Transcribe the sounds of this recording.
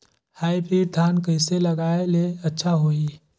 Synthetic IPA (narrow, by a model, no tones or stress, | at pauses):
haːipɾiːɾt̪ʰaːnkəɪselɐɡaːeleɐtːʃʰaɦoːiː